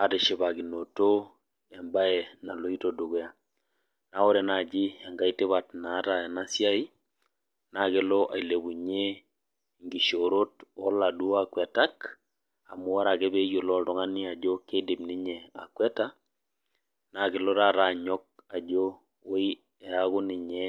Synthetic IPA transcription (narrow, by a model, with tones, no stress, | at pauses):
a˨te˨ʃɪ˨ba˨ɡi˨no˨to˦ | ɛ˨mba˦ɛ˨na˨lo˨˦i˦to˨du˨ɡɛ˦a˨ | na˨˦ɔ˦ɾɛ˨na˨d͡ʒɪ˦ɛ˨ŋɡa˦i˦tɪ˦βa˨tna˨˦ta˨ɛ˨na˦sja˦i˦ | na˨kɪ˨˦lɔ˦ʔa˨i˨le˨bu˨ɲe˦ | ŋɡi˨ʃo˨ɾo˦tɔ˦la˨du˦a˨kwɛ˨ta˦k | a˨mʊ˦wa˦ɾa˨ke˦be˦jo˨lɔ˦dɔ˨˦ŋa˦ni˦a˨d͡ʒo˦ke˦dɪ˨mni˦ɲɛ˨a̰˨kwɛ˦ta˦ | na˨kɪ˨lɔ˦ɾa˦ɾa˨ɲɔ˦k̚a˨d͡ʒo˦ | o˦i˦ | ɛ˨a˦ɣʊ˦nɪ˨ɲɛ˦